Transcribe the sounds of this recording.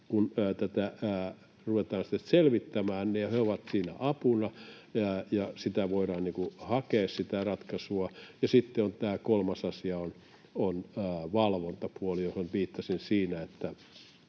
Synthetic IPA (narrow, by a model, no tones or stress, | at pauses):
kunːt̪æt̪æ | ruʋet̪ɑːnsi̥t̪ːetselʋit̪ːæmæːnneheoʋɑt̪siːnæ̰ʔɑpunɑ | jɑsit̪æʋoiɾɑːnniːŋkuhɑkeːssit̪ærɑt̪kɑsuɑjɑsit̪ːeont̪æːkolmɑsɑsiɑon | onːʋɑlʋont̪ɑpuolijohonʋiːt̪ːɑsinsiːnæet̪ːæ